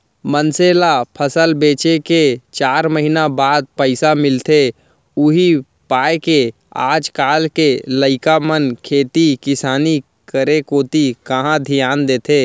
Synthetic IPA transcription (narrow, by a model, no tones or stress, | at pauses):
mənseːlapʰəsəlbeːt͡ʃeket͡ʃaːɾməɦinabaːd̪̚pəɪsamɪlt̪e | ʊɦi | paːeke | a̰ːd͡ʒkaːlkeləɪkamənkʰeːt̪ikɪsaːni | kəɾekoːt̪ikɐɦãd̪ʱɪjaːnd̪eːt̪ʰeː